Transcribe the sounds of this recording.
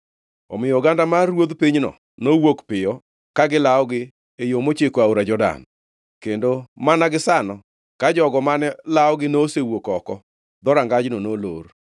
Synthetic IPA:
ɔ̰mɪjɔɡandamaɾwod̪piɲnɔ̰ | nowokpɪjɔ | kaɡɪlaɔɡɪ | ejomot͡ʃekoaoɾad͡ʒɔda̰n | kendomanaɡɪsanɔ | kad͡ʒɔɡɔmanɛlaɔɡɪnosewokɔkɔ | d̪ɔɾaŋɡad͡ʒnonoloɾ

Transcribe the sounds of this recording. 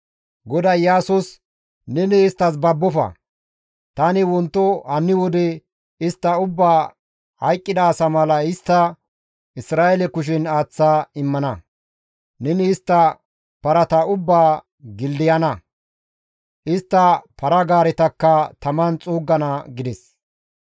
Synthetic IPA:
ɡɔd̪ɐjjaːsʊs | nɛnɪːst̪ːɐs̬bɐbːɔfɐ̰ | t̪ɐnɪwɔnt̪ːɔhɐnːɪwɔd̪ɛ | ɪst̪ːɐʊbːaː | hɐjkʼːɪd̪ɐːsɐmɐlɐɪst̪ːɐ | ɪsɾaːjɛlɛkʊʃ̬ɪnaːt͡sːaːɪmːɐnɐ | nɛnɪːst̪ːɐ | pɐɾɐt̪ɐʊbːaː | ɡɪld̪ɪjɐnɐ | ʔɪst̪ːɐpʰɐɾɐɡaːɾɛt̪ɐkːɐt̪ɐmɐnt͡sʼuːɡːɐnɐɡɪd̪ɛs

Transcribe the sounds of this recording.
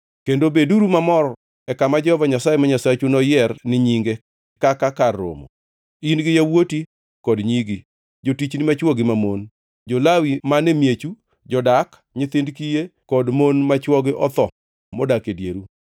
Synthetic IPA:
kendobeduɾumamɔɾ | ɛkamad͡ʒɛhɔvaɲasajemaɲasat͡ʃunɔjɛrnɪɲiŋɡe | kakakarːo̰mo̰ | inɡɪjawoti | kɔdɲiɡi | d͡ʒotit͡ʃnɪmat͡ʃwɔɡɪmamon | d͡ʒolawimanemjet͡ʃu | d͡ʒɔdak | ɲɪt̪ɪndkijekɔdmonmat͡ʃwɔɡɪʔɔt̪ɔ | modakedjḛɾu

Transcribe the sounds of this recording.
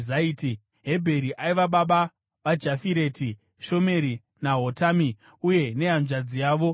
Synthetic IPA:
zaiːti | ɦe̞bʱe̞ɾiʔaiʋaɓaɓa | ʋad͡ʒafiɾe̞ːti | ʃo̞me̞ɾi | naɦotaːmi | uje̞neɦanʐad͡zijaːʋo̞

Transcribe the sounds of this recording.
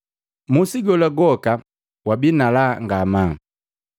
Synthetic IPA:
musiɡɔlaɡɔka | wabinalaŋɡama

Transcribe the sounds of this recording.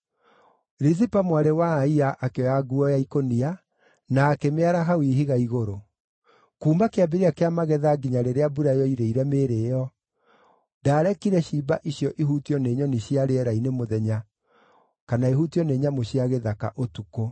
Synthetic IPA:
ɾizipamwaɾewaːiaʔakeaɡuɔjaikonia | naːkemeaɾaɦawiɦiɣaiɣoɾo | kuːmbakeabiɾiakeamaɣɛðaɡiɲaɾeɾeabuɾajɔiɾeiɾɛmeːɾejɔ | daːɾɛkiɾɛɕiːbaʔiɕjɔʔiɦutiɔneːɲɔneɕiaɾeɛɾainemoðɛɲa | kanaeɦutiɔneɲamoɕiaɣeðaka̰ʔotuko

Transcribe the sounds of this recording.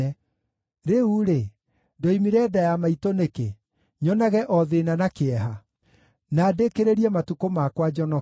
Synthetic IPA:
ɛ | ɾeuɾe | dɔimiɾɛːdajamaitoneke | ɲɔnaɣɛʔɔðenanakeɛɦa | naːdekeɾeɾiɛmatukomakwad͡ʒɔnɔ

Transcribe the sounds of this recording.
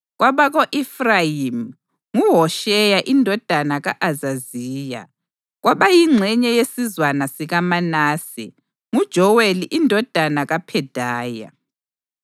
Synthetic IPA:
ɣwʔaβaɣoʔifrajim | ŋuɦɔʃɛjaʔindʱɔd̥ʱanaɣaʔazaziːja̰ | ɣwʔaβajiŋ͡ǀʱɛɲɛjesizwanasiɣamanaːsḭ | ŋud̥ʒ̥ʱɔweliʔindʱɔd̥ʱanaɣapʰɛd̥ʱaːja̰

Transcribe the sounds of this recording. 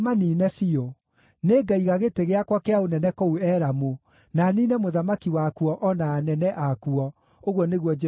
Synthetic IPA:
maninɛfio | neːɡaiɣaɣeteɣeakwakeaonɛnɛkouɛɾamo | naninɛmoðamakiwakuɔʔɔnaːnɛnɛʔakuɔ | oɣwɔneɣwɔd͡ʒɛ

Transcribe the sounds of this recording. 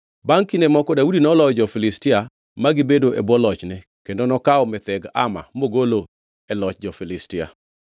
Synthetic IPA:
baŋkinemɔkɔdaudinɔlɔd͡ʒɔfɪlɪstɪa | maɡɪbedoʔebwɔlɔt͡ʃnɛ | kendonɔkaɔmɛt̪ɛɡa̰ma̰moɡolo | ɛlɔt͡ʃd͡ʒɔfɪlɪstɪa̰

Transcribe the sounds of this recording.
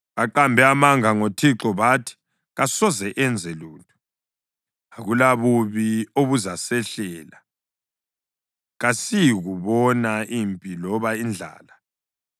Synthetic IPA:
ɣaǃambʱɛamaŋaŋotʰiǁɔβatʰi̥ | ɣasɔzɛʔɛnd͡zʱɛluːntʼu̥ | aɣulaβuβioβuzasɛɬɛːla | ɣasijɣuβɔnaimpʼilɔβaind͡ɮʱa̰ːla

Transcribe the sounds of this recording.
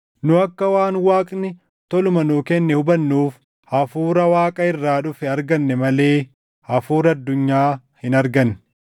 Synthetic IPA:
nʊɐkːɐwaːnwaːkʼnɪ | t̪ɔlʊmɐnʊkɛnːɛhʊbɐnːuːf | ʔɐfuːɾɐwaːkʼɐɪrːaːᶑʊfɪɐɾɡɐnːɛmɐle̞ː | ʔɐfuːɾɐɐd̪ːʊɲːaː | hɪnɐɾɡɐnː

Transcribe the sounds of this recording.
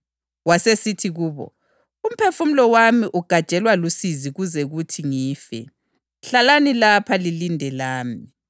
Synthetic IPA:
wasesitʰiɣuːβɔ̰ | um̩pʰefum̩lɔwamiʔuɡ̥ʱad̥t͡ʃʼɛlwalusiziɣuzɛɣutʰiŋiːfɛ̰ | ɬalanilapʰalilindʱɛlaːmi

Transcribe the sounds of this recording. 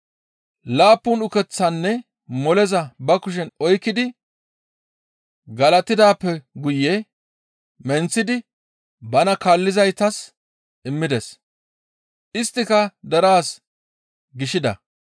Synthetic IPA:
laːpːʊnʊkɛt͡sːɐnːɛ | mɔlɛzɐbɐkʊʃ̬ɛnɔjkːɪd̪ɪ | ɡɐlɐt̪ɪd̪aːpːɛɡʊjːɛ | mɛnt͡sːɪd̪ɪ | bɐnɐkaːlːɪzɐjt̪ɐs | ʔɪmːɪd̪ɛs | ʔɪst̪ːɪkɐd̪ɐɾaːs | ɡɪʃɪd̪ɐ̰

